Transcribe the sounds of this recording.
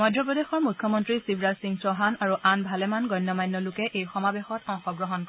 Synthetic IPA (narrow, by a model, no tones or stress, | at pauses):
mɔjdɹɔp̬ɹɔdexɔɹmukʰːjɔmɔntɹisibʱɹasiŋsɔɦanaɹuʔanbʱalɛmanɡɔnːɔmajnːɔlʊkɛʔejxɔmabexɔtɔŋxɔɡɹɔɦɔnk